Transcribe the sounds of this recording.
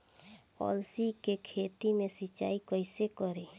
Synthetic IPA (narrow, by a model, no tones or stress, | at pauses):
ɔ̰ːlsikekʰeːt̪imẽsət͡ʃːa̰ːikəɪsekəɾeː